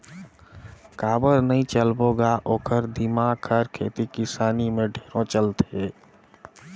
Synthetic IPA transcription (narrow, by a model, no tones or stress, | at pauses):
kaːbəɾnəɦĩt͡ʃəlboɡaʔoːkʰəɾd̪imakʰəɾkʰḛːt̪ikɪsaːnimẽɖʱeːɾõt͡ʃəlt̪e